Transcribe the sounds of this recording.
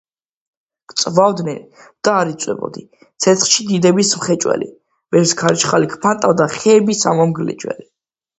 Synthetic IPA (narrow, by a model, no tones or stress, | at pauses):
kʼt̪sʼvavd̪nɛn | d̪̥aːɾit̪sʼwɛ̰bɔ̰d̪i | t̪sʰɛt̪sχʃid̪id̪ɛbismχɛt͡ʃʼwɛ̰lḭ | vɛɾskʰaɾit͡ʃʰχalikʰpʰant̪ʼad̪aχɛːbisamɔmɡlɛ̰t͡ʃʼwɛ̰li